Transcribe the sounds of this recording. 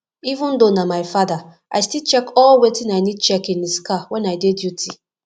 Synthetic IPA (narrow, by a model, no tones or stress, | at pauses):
ivʊ̃ndonamaɪfada | ʔajstilt͡ʃɛkɔlwetɪ̃najnid̚t͡ʃɛkĩndiskawɛ̃najdedjutʰi